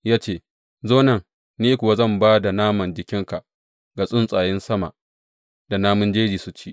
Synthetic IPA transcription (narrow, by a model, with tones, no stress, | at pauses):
jaː˦t͡ʃeː˦˨ | zoː˦nɐ˦˨ŋ | niː˦kʷʊ˨wa˦zɐ˦˨mbaː˦da˨naː˦mɐ˨nd͡ʒɪ˨kʲɪ˦ŋka˨ | ɡa˨sʼʊ˦nsʼaː˨jɪ˦nsɐ˦ma̰˨ | da˨naː˦mʊ˦nd͡ʒeː˦d͡ʒiː˨sʊ˦t͡ʃiː˦